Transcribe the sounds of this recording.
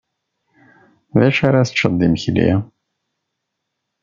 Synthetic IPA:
ðæʃaɾaθt͡ʃːəd̪ˤːimçlḭ

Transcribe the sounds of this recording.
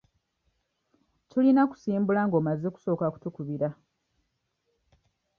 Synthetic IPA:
tulinaku̥siːmbulaŋɡo̞ːmazeku̥so̞ːkaku̥tukuβiɾa

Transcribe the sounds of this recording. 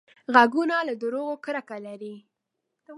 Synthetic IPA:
ɣaɡunalad̪əɾoɣokɾakalaɾi

